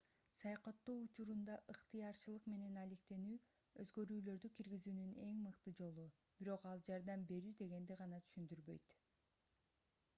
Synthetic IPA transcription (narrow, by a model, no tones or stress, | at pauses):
sɑjɑqɑt̪ːoːut͡ʃuɾund̪ɑʔɯqt̪ɨjɑɾt͡ʃɯlˠɯqme̞ne̞nɑle̞kt̪e̞nyː | øzɡø̞ɾyːlø̞ɾd̪ykʰiɾɡizyːnyne̞ŋmɯqt̪ɯd͡ʒo̞lˠu | b̥iɾo̞qɑlˠd͡ʒɑɾd̪ɑmbe̞ɾyːd̪e̞ɡe̞nd̪iʁɑnɑt̪ʰy̥ʃynd̪yɾbø̞̰jt̪